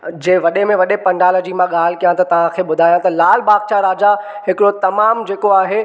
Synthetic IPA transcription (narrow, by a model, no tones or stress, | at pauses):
d͡ʑẽːʋɐɗemẽʋɐɗepɐ̃ɳɖaːləd͡ʑiːmãɠaːl̤ɪkijãt̪ɐt̪ɐʋ̤ãkʰeːɓʊd̪ʱaːjãt̪ɐlaːl̤baːkt͡ɕaɾaːd͡ʑa | ɦɪkɪɽot̪ɐmaːmd͡ʑeːkoaːɦeː